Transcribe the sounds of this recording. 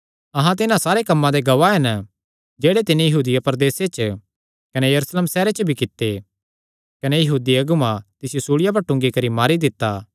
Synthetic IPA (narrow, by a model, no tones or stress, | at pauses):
ɐɦãt̪̬ɪnãsaːɾekɐmːãd̪eɡɐʋaɦɛn | d͡ʒeːɽet̪ɪnẽjɐɦuːd̪ɪjapɐɾd̪eːset͡ʃ | kɐnejɐɾusleːmsɛːɾet͡ʃəbʱikɪt̪ːe | kɐnejɐɦuːd̪iɐɡʊmãt̪ɪsjosuːɭɪjap̬ɐɾʈʊ̃ŋɡikɐɾimaːɾid̪ɪt̪ːaː